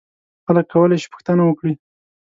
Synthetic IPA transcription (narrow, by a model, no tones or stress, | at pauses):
xaləkːawəlaʃi̥pʊ̥xt̪ənawəkɽi